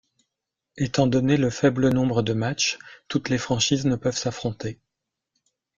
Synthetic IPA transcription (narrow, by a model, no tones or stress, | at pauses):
et̪ɑ̃d̪ɔneləfɛblənɔ̃bʁəd̪əmat͡ʃt̪ut̪lefχɑ̃ʃiznəpœvsafχɔ̃t̪e